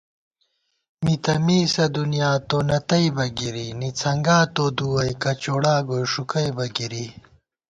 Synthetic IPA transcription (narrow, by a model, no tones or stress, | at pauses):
mit̪ɐmiːsɐd̪unijaːt̪onɐt̪ɐjbɐɡiɾinit͡sʰɐŋɡaːt̪od̪uwɐjkɐt͡ɕoɽaːɡojʂukɐjbɐɡiɾi